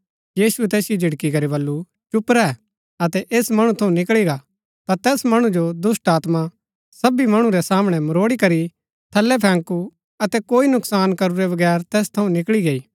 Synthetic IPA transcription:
jiːsuɛt̪ɛːsɪjod͡ʒɪɽkikɐɾibɐlːu | t͡ʃʊpɾɛ | ɐt̪ɛʔeːsmɐɽ̃ũt̪ʰɐũnɪkɭiɡa | t̪at̪ɛːsmɐɽ̃ud͡ʒod̪ʊsʈaːt̪ma | sɐbimɐɽ̃ũɾɛsaːmɽ̃ɛmɐɾoːɽikɐɾi | t̪ʰɐlːɛpʰɛ̃ːŋku | ɐt̪ɛkoːinʊksaːnkɐɾuɾɛbɐɡɛːɾt̪ɛːst̪ʰɐũnɪkɭiɡeiː

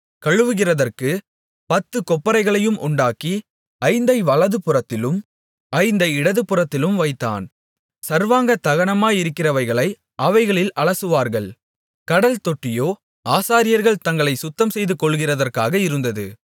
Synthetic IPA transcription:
kɐɻɯʋɯɣɪrɐðɐrkɯ | pɐt̪ːɯkɔpːɐɾɐɪɣɐɭɐjɯmʔʊ̰ɳɖaːki | ɐɪnd̪ɐɪʋɐlɐðɯpɯrɐt̪ːɪlɯm | ɐɪnd̪ɐɪɽɐðɯpɯrɐt̪ːɪlɯmʋɐɪt̪ːa̰ːn | sɐɾʋaːŋɡɐt̪ɐɣɐɳɐmaːjɪɾɯkːɪrɐʋɐɪɣɐɭɐɪ | ʔɐʋɐɪɣɐɭɪlʔɐɭɐsɯʋaːɾɣɐɭ | kɐɽɐlt̪ɔʈːɪjoː | aːsaːɾɪjɐɾɣɐɭt̪ɐŋɡɐɭɐɪsʊt̪ːɐmsɛjðɯkɔɭːɣɪrɐðɐrkaːɣɐɪɾɯnd̪ɐðɯ̰

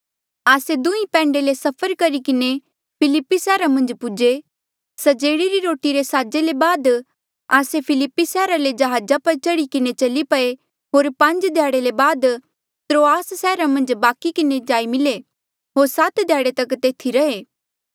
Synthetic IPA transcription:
aːsed̪ũĩpɛ̃ːɳɖelesɐpʰəɾkɐɾikɪne | pʰɪlɪpːisɛːɾamɐ̃nd͡ʒpʊd͡ʒe | sɐd͡ʒeːɽiɾiɾoːʈiɾesaːd͡ʒelebaːd̪ | aːsepʰɪlɪpːisɛːɾaled͡ʒɐɦaːd͡ʒapɐɾt͡ʃɐɽikɪnet͡ʃɐlipɐe | ɦoːɾpɐ̃nd͡ʒd̪ʱjaːɽelebaːd̪ | t̪ɾoːaːssɛːɾamɐ̃nd͡ʒbaːkikɪned͡ʒaːimɪle | ɦoːɾsat̪d̪ʱjaːɽet̪ɐkt̪eːt̪ʰiɾɐɦeː

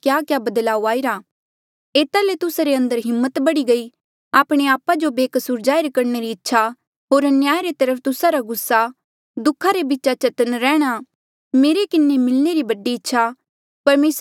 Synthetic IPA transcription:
kjaːkjabɐd̪laːuaːiɾaː | eːt̪alet̪ʊsaɾeɐ̃nd̪əɾɦɪmːət̪bɐɽiɡɐi | aːpɽ̃eaːpad͡ʒobeːkəsuːɾd͡ʒaːɪɾkɐɾneɾiɪtːʃʰa | ɦoːɾənjaːjɾet̪ɐɾəpʰt̪ʊsaɾaɡʊsːa | d̪ʊkʰaɾebitːt͡ʃat͡ʃɐt̪ənɾɛːɽ̃a | meːɾekɪnːemɪlneɾibɐɖiɪtːʃʰa | pɐɾmeːs

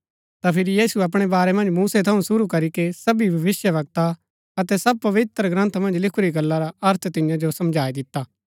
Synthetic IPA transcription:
t̪apʰɪɾijiːsuɐp̬ɽ̃ebaːɾɛmɐ̃nd͡ʒmuːset̪ʰɐũsʊɾukɐɾikesɐbibʱɐʋɪsjəʋɐɡ̚t̪a | ɐt̪ɛsɐb̚pɐʋɪt̪ɾɡɾɐ̃nt̪ʰmɐ̃nd͡ʒlɪkʰuɾiɡɐlːaɾaɐɾt̪ʰt̪ɪjãd͡ʒosɐ̃md͡ʒʱaːid̪ɪt̪ːaː

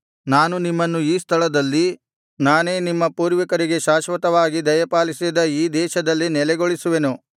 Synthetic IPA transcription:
naːnunimːɐnːuiːst̪ʰɐɭɐd̪ɐlːi | naːne̞ːnimːɐpuːɾʋikɐɾiɡe̞ʃaːʃʋɐt̪ɐʋaːɡid̪ɐjɐpaːlisid̪ɐiːd̪ɛːʃɐd̪ɐlːinɛlɛɡo̞ɭisuʋe̞nu

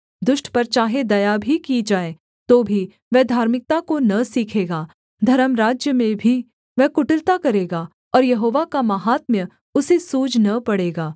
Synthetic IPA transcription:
d̪ʊʃʈpɐɾt͡ʃaːɦed̪ɐjabʱikid͡ʒaːe | t̪oːbʱi | ʋɛd̪ʱaːɾmɪk̚t̪akonɐsiːkʰeːɡaː | d̪ʱɐɾəmɾaːd͡ʒjəmẽbʱi | ʋɛkʊʈəlt̪akɐɾeːɡaː | ɔːɾjɐɦoːʋakamɐɦaːt̪̚mjə | ʊsesuːd͡ʒnɐpɐɽeːɡaː

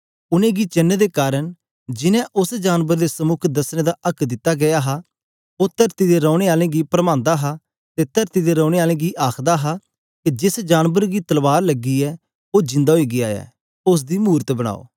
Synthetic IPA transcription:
ʊnẽːɡit͡ʃɐnːd̪ekaːɾəñ | d͡ʒɪnɛ̃ʔʊsd͡ʒaːnbəɾd̪esəmʊkʰd̪ɐsnẽːd̪aʔɐkd̪ɪt̪ːaɡɐjaːɦaː | oːt̪əɾt̪id̪eɾɔ̃ːɽ̃eːaːlẽːɡipɾəmãːnd̪aːɦa | t̪et̪ɐɾt̪id̪eɾɔ̃ːɽ̃eːaːlẽːɡiʔaːkʰd̪aɦa | kid͡ʒɪsd͡ʒaːnbəɾɡit̪ɐlbaːɾlɐɡːiɛː | oːd͡ʒɪ̃nd̪aːɦoiːɡɪaːɛ̰ː | ʊs̬d̪imuːɾət̪bəɽ̃a̰ːo̰ː

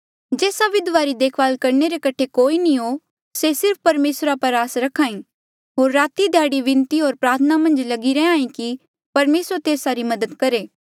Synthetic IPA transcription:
d͡ʒeːsaʋɪd̪ʋaɾid̪eːkʰʋaːlkɐɾneɾekɐʈʰekoːinĩɦo | sesɪɾp̚ʰpɐɾmeːsɾapɐɾaːsɾɐkʰãːĩ | ɦoːɾːaːt̪id̪ʱjaːɽiʋɪ̃nt̪iɦoːɾpɾaːt̪ʰənamɐ̃nd͡ʒlɐɡiɾɛãːĩki | pɐɾmeːsɾət̪eːsaɾimɐd̪əd̪kɐɾeː

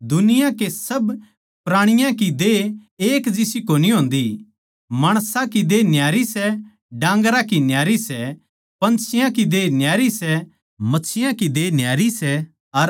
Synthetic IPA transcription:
d̪ʊnɪjãkesɐb | pɾaːɽ̃ɪjãkid̪eːeːkd͡ʒɪsikoːniɦõːnd̪i | maːɽ̃sãkid̪eːnjaːɾisɛ | ɖãːŋɡɾakinjaːɾisɛ | pɐ̃nt͡ʃʰɪjãkid̪eːnjaːɾisɛ | mɐtːt͡ʃʰɪjãkid̪eːnjaːɾisɛ | ɐ

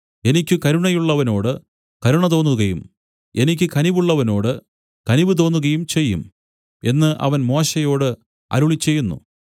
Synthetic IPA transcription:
e̞nikʲːukɐɾuɳɐjuɭːɐʋɐno̞ːɽɨ | kɐɾuɳɐt̪o̞ːnːuɣɐjṵm | e̞nikʲːɨkɐniʋuɭːɐʋɐno̞ːɽɨ | kɐniʋɨt̪̬o̞ːnːuɣɐjumt͡ɕe̞jːum | e̞nːɨʔɐ̰ʋɐnmo̞ːɕɐjo̞ːɽɨ | ɐ̰ɾuɭit͡ɕːe̞jːunːṵ

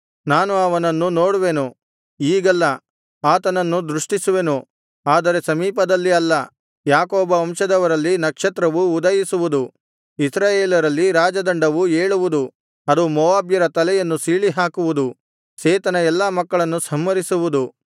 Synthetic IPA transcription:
naːnuɐʋɐnɐnːunoːɽuʋe̞ːnu | iːɡɐlːɐ | aːt̪ɐnɐnːud̪ɾuʂʈisuʋe̞nu | aːd̪ɐɾe̞sɐmiːpɐd̪ɐlːiɐlːɐ | jaːkoːbɐɐmʃɐd̪ɐʋɐɾɐlːinɐkʂɐt̪ɾɐʋuːd̪ɐjisuʋud̪u | isɾaːjeːlɐɾɐlːiɾaːd͡ʒɐd̪ɐɳɖɐʋueːɭuʋud̪u | ɐd̪umɔʋaːbjɐɾɐt̪ɐlɛjɐnːusiːɭiɦaːkuʋud̪u | seːt̪ɐnɐɛlːamɐkːɐɭɐnːusɐmːɐɾisuʋud̪u

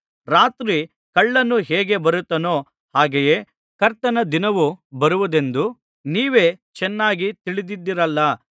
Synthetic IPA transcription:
ɾaːt̪ɾi | kɐɭːɐnːuɦɛːɡe̞bɐɾut̪ːɐno̞ː | haːɡeje̞ː | kɐɾt̪ɐnɐd̪inɐʋubɐɾuʋud̪e̞nd̪u | niːʋe̞ːt͡ʃɛnːaːɡit̪iɭid̪id̪ːiɾɐlːɐ

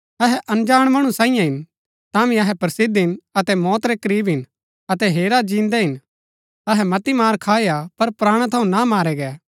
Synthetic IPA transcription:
ɐɦɛʔɐnd͡ʒaːɽ̃mɐɽ̃ũsãːɪijãɦɪn | t̪ãːmĩɐɦɛpɐɾsɪd̪ɦɪnɐt̪ɛmɔːt̪ɾɛkɐɾiːbɦɪn | ɐt̪ɛɦeːɾad͡ʒĩːnd̪ɛɦɪn | ɐɦɛmɐt̪imaːɾkʰaːeapɐɾpɾaːɽ̃ãt̪ʰɐũnamaːɾɛɡɛ

